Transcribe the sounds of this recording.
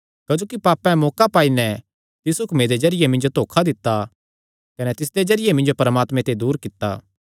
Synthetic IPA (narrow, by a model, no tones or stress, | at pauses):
kɐd͡ʒoːkipaːpːɛ̃moːkapaːinɛ | t̪ɪsukʰmeːɾed͡ʒɐɾɪjemɪ̃nd͡ʒot̪oːkʰad̪ɪt̪ːa | kɐnɛt̪ɪs̬d̪ed͡ʒɐɾɪjemɪ̃nd͡ʒopɐɾəmaːt̪mẽt̪ʰed̪uːɾkɪt̪ːa̰ː